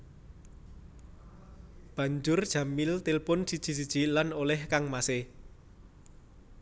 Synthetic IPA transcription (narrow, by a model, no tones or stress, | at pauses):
b̥ä̤ɲd͡ʒʊrd̥ʒ̥a̤mɪlt̪ɪlpʊnsid̥ʒ̥i̤s̬id̥ʒ̥i̤lanolɛhkaŋmase